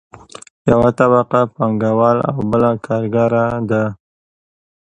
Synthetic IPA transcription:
jawat̪abɑqapaŋɡawɑla̰wbəlakʰɑɾɡaɾad̪a

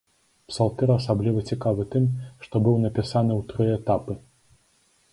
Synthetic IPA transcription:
psalˠt̪ɛɾɐsablʲivɐt͡sʲikavɨt̪ɨmʂt̪ɔbɨwnɐpʲisanɨwt̪ɾɨɛt̪apɨ

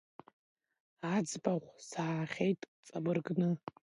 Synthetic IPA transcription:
ad͡zbaʁʷsaːχʲejtʼt͡sʼabɨrɡnɨ

